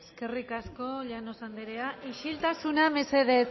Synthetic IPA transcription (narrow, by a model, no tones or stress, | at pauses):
eske̞rikasko̞ʎano̞sand̪eɾeaʔiʃilt̪asuname̞se̞ðet͡s